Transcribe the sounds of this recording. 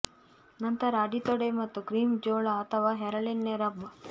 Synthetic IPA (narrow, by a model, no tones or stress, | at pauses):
nɐnt̪ɐɾaːɖit̪ɔɽemɐt̪ːuɡɾiːmd͡ʒoːɭɐɐt̪ʰɐʋaːɦɛɾɐɭinːeɾɐb